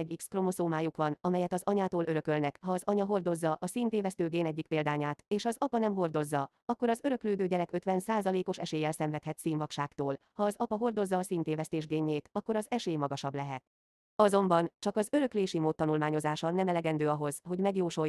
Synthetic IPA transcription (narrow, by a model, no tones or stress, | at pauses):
ɛɟikskro̞mo̞soːmaːjukʋɒnɒmɛjɛt̪ɒzɒɲaːt̪oːløɾø̞kølnɛkhɒːzɒɲɒɦo̞rd̪o̞zːɒʔɒsiːnt̪eːvɛst̪øːɡeːnɛɟːik̚peːld̪aːɲaːt̪eːʃɒzɒpɒnɛmɦo̞rd̪o̞zːɒ | ɒkːo̞ɾɒzøɾø̞kløːd̪øːɟɛɾɛkøt̪ʋɛnsaːzɒleːko̞ʃɛʃeːjɛlsɛɱvɛt̪hɛt̪siːnvɒkʃaːkt̪oːl | hɒːzɒpɒɦo̞rd̪o̞zːɒːsiːnt̪eːvɛst̪eːʒɡeːɲːeːt̪ɒkːo̞ɾɒzɛʃeːjmɒɡɒʃɒblɛɦɛt̪̚ | ɒzo̞mbɒnt͡ʃɒkɒzøɾø̞kleːʃimoːt̪ːɒnulmaːɲo̞zaːʃɒnɛmɛlɛɡɛnd̪øːɒɦo̞zɦo̞ɟmɛɡjoːʃoj